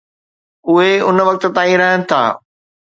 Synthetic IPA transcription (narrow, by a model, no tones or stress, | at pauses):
ʊɦeʊnʋɐk̚t̪ə̆t̪ãːĩɾɐɦənɪ̆t̪ʰa̰ː